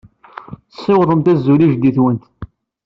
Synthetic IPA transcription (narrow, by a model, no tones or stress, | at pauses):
θəsˤːɪwðˤəmt̪æzːuliʒd̪iθwənt̪